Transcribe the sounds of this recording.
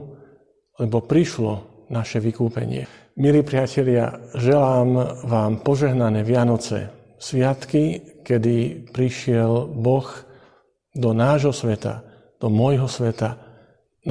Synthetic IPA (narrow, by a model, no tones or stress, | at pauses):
lɛbɔpɾiʃlɔ | naʃɛʋikuːpɛ̰ɲɪɛ̰ | miliːpɾɪacɛʎɪa̰ʒɛlaːmʋaːmpɔʒɛɦnanɛːʋɪanɔt͡sɛ̰ | sʋɪat̪kikɛd̪ipɾiʃɪɛlbɔx | d̪ɔnaːʒɦɔsʋɛt̪a̰ | d̪̥ɔmɔjɦɔsʋɛt̪a | n